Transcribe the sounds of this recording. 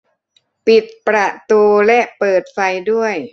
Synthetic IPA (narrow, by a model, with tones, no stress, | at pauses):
pi˨˩t̪̚pɾa˨˩t̪uː˧lɛ˦˥ʔpɤː˨˩t̪̚fa˧jdu˥˩əj